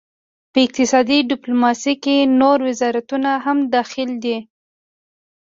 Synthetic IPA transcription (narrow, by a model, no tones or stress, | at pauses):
pəɪq̚t̪ɪsɑd̪iɖɪplumɑsikenoɾwɪzɑɾat̪unaɦamd̪ɑxɪld̪i